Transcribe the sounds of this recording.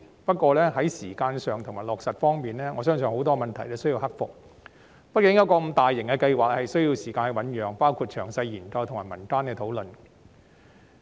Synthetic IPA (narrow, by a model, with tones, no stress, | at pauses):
pɐ˥t̚kʷɔː˧lɛː˥ɦɐ˨˥jsiː˨˩kaː˧nsœː˨ŋt̪ʰʊ˨˩ŋmaː˨˩jlɔː˨k̚sɐ˨t̚fɔː˥ŋmiː˨nlɛː˥ŋɔː˨˧sœː˥ŋsœː˨ŋho˨˥wt̪ɔː˥mɐ˨nt̪ʰɐ˨˩jlɛː˥sɵ˥ɥjiː˧whɐ˥k̚fʊ˨k̚ | pɐ˥t̚kɪ˨˥ŋjɐ˧˥wkɔː˧m̩˨˧˥t̪aː˨jːɪ˨˩ŋkɛː˧kɐ˧jwaː˨k̚hɐ˨jsɵ˥ɥji˧wsiː˨˩kaː˧nhɐ˨˩wɐ˨˥njœː˨ŋpaː˥wkʰuː˨˧t̚t͡ʃʰœː˨˩ŋsɐ˧jːiː˨˩nkɐ˧wt̪ʰʊ˨ŋmaː˨jmɐ˨˩nt̪aː˥nkɛː˧t̪ʰo˨˥wlɵ˨n